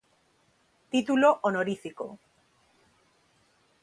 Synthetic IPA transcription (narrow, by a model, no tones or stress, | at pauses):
t̪it̪ulo̞ʔonoɾifiko̰